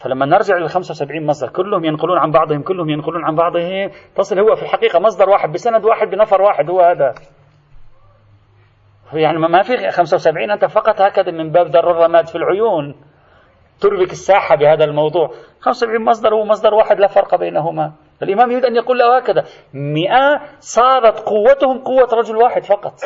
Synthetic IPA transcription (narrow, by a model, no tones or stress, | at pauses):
falamːanɪɾd͡ʒɪʕlɪlxamsawsabʕiːnmɑsˤd̪ˤɑɾˤkʊlːʊhʊmjɪnqʊluːnʕabɑʕd̪ˤhʊmkʊlːʊhʊmjɪnqʊluːnʕambɑʕd̪ˤhɪmt̪ɑsˤɨlhʊwːafilħaqiːqamɑs̬ˤd̪ˤɑɾˤwaːħɪd̪̚bɪsanad̪waːħɪd̪̚bɪnɑfɑɾˤwaːħɪd̪hʊwːhaːd̪a | jaʕnimafixamsawsabʕiːnʔant̪afɑqɑt̪ˤhaːkaðamɪmbaːbd̪ɑrˤːɑrˤːɑmaːd̪filʕʊjuːn | t̪ʊɾbɪkɪsːaːħabɪhaːd̪almɑwd̪ˤuːʕxamssabʕiːnmɑsˤd̪ˤɑɾˤhʊwːamɑs̬ˤd̪ˤɑɾˤwaːħɪd̪lafɑɾˤqɑbeːnaɦʊma | ʔɪlʔɪmaːmjʊiːd̪ʔanjaquːlːahhaːkaða | mɪʔasˤɑːɾˤɑt̪qʊwːat̪hʊmqʊwːaɾˤɑd͡ʒʊlwaːħɪd̪fɑqɑt̪ˤ